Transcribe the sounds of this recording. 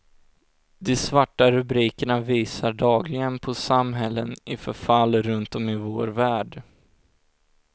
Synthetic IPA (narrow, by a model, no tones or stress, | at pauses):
d̪ɛsvaʈːaɾɵbɾiːkəɳaviːsaɖɑːɡlɪɡənpʰɔsamɦɛlːənɪfœɾfalːɾɵnt̪ɔmɪvoːɾvæːɖ